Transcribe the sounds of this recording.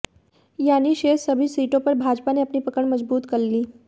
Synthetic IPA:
janiːʃesəbʱiːsiːʈopəɾbʱad͡ʒpaneəpniːpəkəɳməd͡zbuːt̪kəɾliː

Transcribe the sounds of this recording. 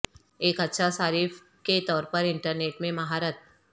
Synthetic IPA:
eːkɐtːʃʰasaːɾiːf | ket̪ɔːɾpɐɾɪ̃ɳʈəɾneːʈmẽmɐɦaːɾət̪̚

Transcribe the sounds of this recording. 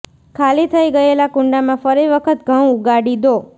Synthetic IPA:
kʰalit̪ʰəiɡəelakʊ̃ɳɖamãfəɾiʋəkʰət̪ɡʱə̃uɡaɽid̪o

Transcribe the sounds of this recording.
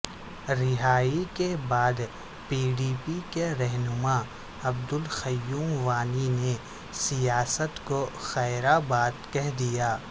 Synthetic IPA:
ɾɪɦaːikebaːd̪ | piːɖiːpikeɾɛɦnʊmaː | ɐbd̪ʊlxɐjːuːmʋaːnine | sijaːsət̪koxɛːɾabaːt̪kɛɦd̪ijaː

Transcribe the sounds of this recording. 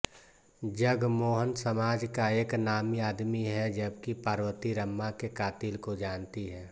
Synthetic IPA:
d͡ʒəɡmoːɦənsəmaːd͡ʒkaeːknaːmiaːd̪miɦɛd͡ʒəbkipaːɾwət̪iɾəmːakekaːt̪ilkod͡ʒaːnt̪iɦɛː

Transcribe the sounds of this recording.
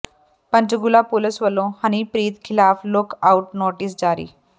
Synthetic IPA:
pə̃ɲt͡ɕəɡulapuləsʋəlõhañipɾiːt̪kʰilaflokauʈnoʈiːs̬d͡zaɾḭː

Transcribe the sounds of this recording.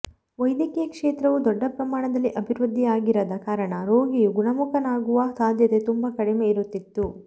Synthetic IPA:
ʋɐjd̪jɐkɛjɐkʂeːt̪ɾɐʋud̪ɔɖːɐpɾɐmaːɳɐd̪ɐlːiʔɐbʱiɾʋud̪ʱːijaːɡiɾɐd̪ɐkaːɾɐɳɐɾoːɡijuɡuɳɐmukʰɐnaːɡuʋɐsaːd̪ʱjɐt̪e̞t̪umbɐkɐɽimeiɾut̪ːit̪ːu

